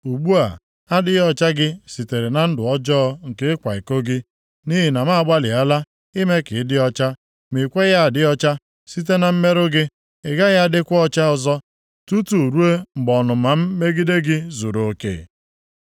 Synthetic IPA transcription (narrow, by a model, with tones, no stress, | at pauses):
u˨ɡ͡bu˦a̰˨ | a˦dɪ˦jɔ˦t͡ʃa˦ɡɪ˦si˨te˨ɾe˨na˨n̩˦dʊ˨ɔ˦d͡ʒɔ˦ɔ˦ŋ̩˨ke˦kʷa˨i˨ko˦ɡɪ˦ | ni˦ɦi˨na˨ma˦a˦˨ɡ͡ba˦lɪ˨a˦la˦ | ɪ˦me˦kɪ˨ɪ˦dɪ˦ɔ˦t͡ʃa˦ | mi˨kʷe˦ja˦a˨dɪ˦ɔ˦t͡ʃa˦ | si˦t̬e˦na˨m̩˦me˦ɾʊ˦ɡɪ˦ | ɪ˨ɡa˦ja˦˨dɪ˦kʷɔ˦t͡ʃa˦ɔ˨zɔ˦ | tu˦tu˨ɾu˦e˦ŋ͡m̩˨ɡ͡bɔ˨nʊ˨ma˨m̩˦me˦ɡi˦de˦ɡɪ˦zu˨ɾo˨kḛː˨